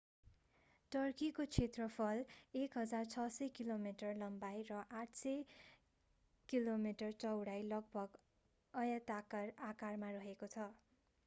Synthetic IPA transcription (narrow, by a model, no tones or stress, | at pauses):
ʈʌrkikot͡sʰet̪rʌpʰʌlekɦʌd͡zart͡sʰʌsʌkilomiʈʌrlʌmbajrʌʔaʈʰsʌ | kilomiʈʌrt͡sʌwɽajlʌɡ̚bʱʌɡ | ʌjʌt̪arakarmarʌɦekot͡sʰʌ